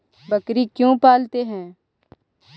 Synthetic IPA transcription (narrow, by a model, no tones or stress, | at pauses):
bəkɾikjõːpaːlt̪eɦɛ̃ː